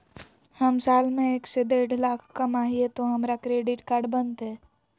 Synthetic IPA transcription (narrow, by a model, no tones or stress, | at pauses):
hɐmsaːlmẽeːksed̪eːɽlaːkʰkɐmaːɦiet̪oɦɐmɾakɾeːɖɪʈkaːɾɖbənt̪ɦɛː